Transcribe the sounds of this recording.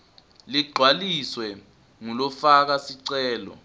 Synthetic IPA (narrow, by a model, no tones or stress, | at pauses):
liɡ͡ǃʱwaliswɛ | ŋulɔfak̬asiǀɛːlɔ̰